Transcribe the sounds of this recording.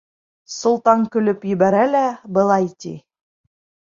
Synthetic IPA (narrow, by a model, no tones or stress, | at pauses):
sŏlˠt̪ɑŋkɵ̆lɵpjɵ̆βæɾælæbɤ̆lˠɑjt̪ʲḭ